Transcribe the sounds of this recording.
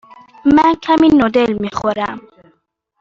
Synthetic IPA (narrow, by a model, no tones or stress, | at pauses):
mænkʰæminod̪elmixoɾæm